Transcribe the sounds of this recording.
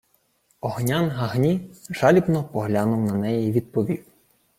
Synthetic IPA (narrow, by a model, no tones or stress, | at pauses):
ɔɦnʲanɦɐɦnʲiʒ̥ɑlʲibnɔpɔɦlʲanʊwnɐnɛjɛiʋʲid̪̚pɔʋʲiw